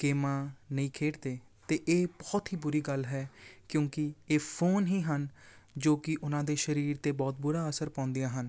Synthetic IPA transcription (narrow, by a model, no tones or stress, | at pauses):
keːmãːnəĩːkʰeːʈd̪eː | t̪eːʔeːbɔːt̪ɦiːbʊɾiːɡəlɦɛːkjõːkɪeːpʰoːnɦĩːɦənd͡ʒoːkɪʔʊnãːd̪eːʃəɾiːɾt̪eːbɔːt̪̚bʊɾaːəsəɾpãːʊ̃nd̪ijãːɦən